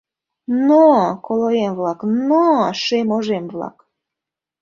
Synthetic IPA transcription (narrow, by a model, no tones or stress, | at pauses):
nokoloemvlɑknoʃemoʒemvlɑ̰k